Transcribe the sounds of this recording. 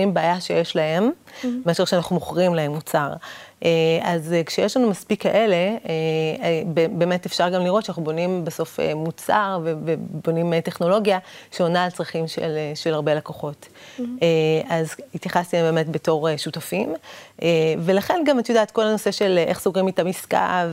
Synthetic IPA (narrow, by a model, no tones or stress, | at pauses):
imbaːjaʃejeʃlahe̞mmaʃuʃeanaχnumoχʁimlaɦe̞mːut͡saʁʔeazkʃejeʃlanumaspikːaʔe̞le̞ebebe̞ːme̞tefʃaʁɡamliʁo̞tʃanaχnubo̞nimbeso̞fḛmut͡sa̰ʁvevebo̞nimeteχno̞lo̞ɡjaʃeonaːlt͡sʁaχimʃḛleʃelaʁbe̞lakoχo̞t | eazitjaχast̪iembe̞ːme̞tbe̞to̞ʁeʃutafimʔeve̞laχe̞nɡamatjodaːt̪ko̞lano̞se̞ʃe̞lʔḛχsoɡʁimitamiska̰v